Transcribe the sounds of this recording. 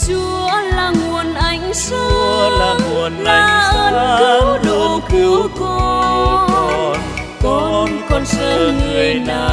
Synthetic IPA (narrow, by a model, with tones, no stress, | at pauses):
t͡ɕu˨˦əəlaː˨˩ŋu˨˩ənʔa˨˧˩jŋ̟sa˧˦˧laː˨˩ŋu˨˩ənʔa˨aː˧˦jsʔəː˧ɗo˨˩ki˧˦kɔ˧˩kɔ˨˩˨n | kɔ˨˦o˧nkɔ˧nsəː˧˩ŋɨ˨˩əjnaː˨˩